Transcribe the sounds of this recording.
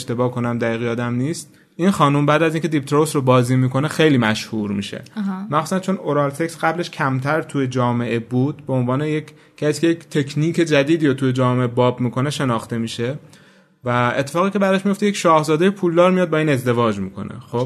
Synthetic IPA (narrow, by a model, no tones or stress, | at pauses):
ʃt̪e̞bɒːkʰo̞næmd̪æiːɣeɒːd̪æmniːst̪ | ʔiːnxɒːnumbæːd̪æziːŋcʰe̞d̪ip̚t̪ɾosɾobɒːziːmiːko̞nexe̞jliːmæʃhuɾmḭːʃḛmæxsusænt͡ʃʰo̞noɾɑːlt̪ʰe̞ksɡæble̞ʃcʰæmt̪ʰæɾt̪ʰuje̞d͡ʒɒːme̞ʔe̞buːd̪̥̚be̞onvɒːnejec | cʰːæsiːkʰʲeject̪ʰe̞kʰniːkʰe̞d͡ʒæd̪iːd̪iːɾot̪ʰuje̞d͡ʒɒːmeʔebɒːbmiːkʰo̞neʃe̞nɒːxt̪e̞miːʃe̞ | væet̪ʰːe̞fɒːɣiːcʰʲe̞bæɾd̪ɒʃmijo̞ft̪ejecʃɒːhzɒːd̪ejepʰuːld̪ɒːɾmijɒːd̪̚bɒːiːne̞zd̪e̞vɒːd͡ʒmḭːkʰo̞̰nḛxob